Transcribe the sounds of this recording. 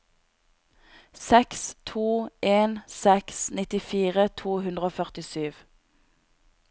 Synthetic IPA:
sɛkst̪ʰuːʔeːnsɛksnɪt̪ɪfiːʁət̪ʰuːhʉnd̪ʁəoːfœʁt̪ɪsyːʋ

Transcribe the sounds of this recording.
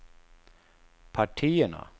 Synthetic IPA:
pʰaʈʰiːəɳa̰

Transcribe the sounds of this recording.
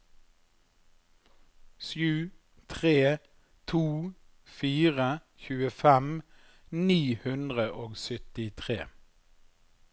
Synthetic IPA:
sjʉː | t̪ʰʁeː | t̪ʰuː | fiːʁəçʉːəfɛm | niːhʉnd̪ʁəʔoːɡsʏt̪ɪt̪ʰʁḛː

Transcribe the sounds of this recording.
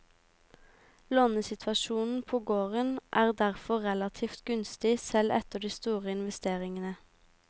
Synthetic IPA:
loːnəsɪt̪ʰʋɑʃuːnn̩pʰoːɡoːʁənʔæːʁd̪æʁfɔʁɛlɑt̪ʰiːft̪ɡʉnst̪ɪsɛlʔɛ̰t̪əɖ̪iːst̪uːʁəɪnʋɛst̪eːʁɪŋənə

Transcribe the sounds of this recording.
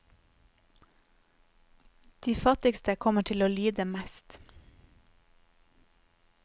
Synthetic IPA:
d̪̥iːfɑt̪ɪkst̪əkʰɔməʈʰɪloːlyːd̪əmæst̪

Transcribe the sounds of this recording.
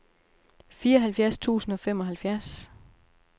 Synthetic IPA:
fiːɐɒ̽ɦælfjæɐst͡sʰṵːsn̩ɒ̽fem̰ɒ̽ɦælfjæɐs

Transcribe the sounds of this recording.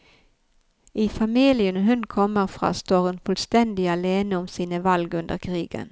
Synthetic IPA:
ʔɪfamɪljənɦɵnkʰɔmːəɾfɾɑ̰st̪oːɾɵnfɵlst̪ɛnd̪ɪaleːnəɔmsiːnəvalɡɵnd̪əɾkʰɾiːɡə̰n

